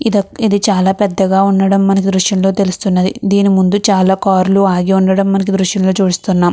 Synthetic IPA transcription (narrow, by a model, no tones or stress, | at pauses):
d̪ɐid̪it͡ʃaːlaːpɛd̪ːɐɡaːunːɐɽɐmːɐnɐk̬id̪ɾuʃjɐmlo̞ːt̪e̞lust̪unːɐd̪ḭd̪iːnimund̪ut͡ʃaːlaːkaːɾluaːɡiuɳɖɐɽɐmːɐnɐk̬id̪ɾuʃjɐmlo̞ːt͡ʃuːɽist̪unːaːm